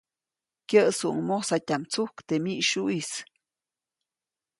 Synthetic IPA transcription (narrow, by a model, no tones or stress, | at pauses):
kjəʔsuʔŋmosatʲamt͡suhkt̪emiʔʃuʔis